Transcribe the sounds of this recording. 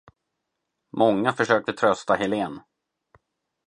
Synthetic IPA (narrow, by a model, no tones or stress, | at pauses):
mɔŋːafœʂøːk̚t̪ət̪ʰɾœst̪ahɛleːn